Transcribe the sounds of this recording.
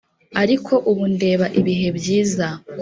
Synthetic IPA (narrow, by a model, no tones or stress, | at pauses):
aɾikʰo̞ʔuβunde̞ːβaʔiβiɦe̞bjiːza